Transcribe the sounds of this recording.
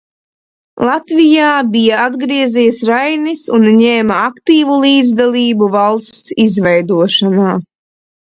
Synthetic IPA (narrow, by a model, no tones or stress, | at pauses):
lˠat̪vijaːbijaad̪ɡɾiɛzijsɾajnisunɲeːmaakt̪iːvulˠiːd̪zd̪alˠiːbuvalˠst̪sizvɛjd̪uɔʃanaː